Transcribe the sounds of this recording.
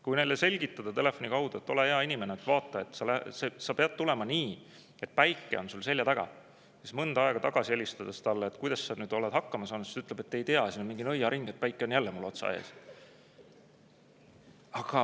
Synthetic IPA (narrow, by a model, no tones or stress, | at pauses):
kujne̞jlːese̞lʲɡ̥it̪ːɑd̪̥ɑt̪e̞le̞fːˑonʲikɑwd̪̥uet̪ːˑo̞le̞eɑinime̞neet̪ːvɑːt̪ːˑɑe̞t̪ːˑsɑlæsesɑpe̞ɑd̪̥̚t̪ule̞mɑniː | e̞t̪̚pæjkːˑe̞̰o̞nsulse̞lʲjɑt̪æɡ̥ɑ̰ | sismɤnd̪ɑɑeɡ̥ɑt̪ɑɡ̥ɑsie̞lʲist̪ɑd̪̥est̪ɑlːeːt̪ːˑkujd̪̥ɑsːɑnyːd̪o̞led̪̥hɑkːɑmɑsɑːnud̪si̥st̪yt̪le̞b̥e̞t̪ːe̞jt̪eɑsiːnomiŋɡinɤjːɑɾiŋɡ̥et̪̚pæjkːˑeo̞njælːemulo̞t̪sɑ̰ḛs | ɑɡ̥ɑ